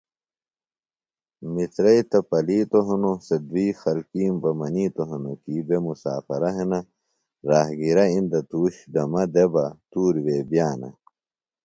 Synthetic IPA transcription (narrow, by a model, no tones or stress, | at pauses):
mit͡sɾɐjt̪ɐpɐliːt̪oɦɐnosɐd̪wiːxɐlkiːmbɐmɐniːt̪oɦɐnokiːbemusaːfɐɾɐɦenɐ | ɾaːhɡiɾɐind̪ɐt̪uːɕd̪ɐmɐd̪ebɐt̪uːɾweːbjaːnɐ̰